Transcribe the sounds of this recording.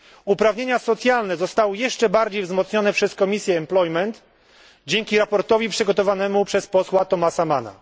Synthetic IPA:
upɾavɲeɲasɔt̪sʲjalnɛzɔst̪awɘjɛʂt͡ʂɛbaɾd͡ʑejvzmɔt̪sɲɔnɛpʂɛskɔmʲisʲjɛːmplɔjmɛnt̪ | d͡ʑeŋkʲiɾapɔɾt̪ɔvʲipʂɘɡɔt̪ɔvanɛmupʂɛspɔswat̪ɔmasamana̰

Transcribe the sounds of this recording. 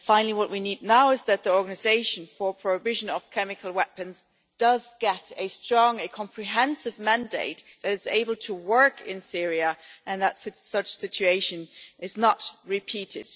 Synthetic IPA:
fãɪ̃nl̩ˠiwʌʔwinidⁿnaʊɨzðɨt̪̚ðiɔɹɡənɨzeɪʃɨ̃n̩fə˞pʰɹ̥oʊɨvɪʒɨ̃nʌv̥kʰɛmɨkʰl̩ˠwɛpɨ̃nz | d̥ʌzɡ̥ɛɾɨstɹ̥ɔ̃ŋɨkʰɑ̃mpʰɹ̥iɦɛ̃nsɨvmæ̃ndeɪt̪̚ðɨɾɨzḛɪbl̩ˠtʰəwɜ˞kɪ̰̃nsɪɹiɨʔɨ̃nðətsɪsʌt͡ʃsɪt͡ʃʉeɪʃɨ̃nʔɨznət̚ɹɨpʰiɾɪd̥

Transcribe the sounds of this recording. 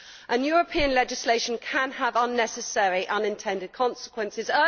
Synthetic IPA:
ʔə̃njɔːɹəpʰĩə̃nlɛd͡ʒɪsleɪʃə̃nkʰə̃nəvʌ̃nːɛsəsɛɹiʔʌ̃nɪ̃ntʰɛ̃ndɪd̚kʰɒ̃nsɪ̥kʰwə̃nsɪzɜ

